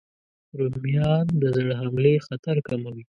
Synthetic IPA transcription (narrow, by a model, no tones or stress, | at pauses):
ɾumijɑnd̪əzəɽɦamlexat̪aɾkamawi